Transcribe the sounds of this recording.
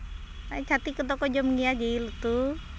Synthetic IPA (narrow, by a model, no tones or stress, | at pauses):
at͡ʃat̪ikət̪̬ɔkɔd͡ʒɔmŋiad͡ʒiilut̪u